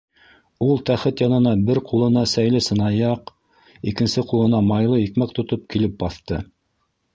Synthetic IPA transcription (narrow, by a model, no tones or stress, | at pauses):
ulˠt̪æχɘt̪jɑnɤ̆nɑbɘɾqʰulˠɤ̆nɑsæjlɘsɤ̆nɑjɑq | ikɘ̆nsɘqulˠɤ̆nɑmɑjlˠɤikmæk̚t̪ŏt̪op̚kilɘp̚bɑθt̪ɤ̰